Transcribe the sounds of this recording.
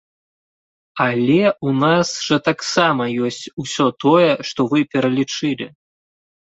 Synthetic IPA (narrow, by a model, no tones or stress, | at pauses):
alʲɛunasʐɐt̪aksamɐjɔsʲt͡sʲusʲɔt̪ɔjɛʂt̪ɔvɨpʲɛɾɐlʲit͡ʂɨlʲḭ